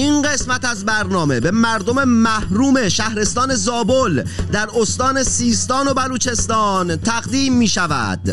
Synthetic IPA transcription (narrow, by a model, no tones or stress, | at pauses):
inɢe̞smæt̪æzbæɾnɒːme̞be̞mæɾd̪o̞me̞mæhɾuːmeʃæhɾe̞st̪ɒːne̞zɒːbold̪æɾost̪ɒːne̞siːst̪ɒːno̞bæluːt͡ʃʰe̞st̪ɒːnt̪ʰæɣd̪iːmːiːʃævæ̰d̪̥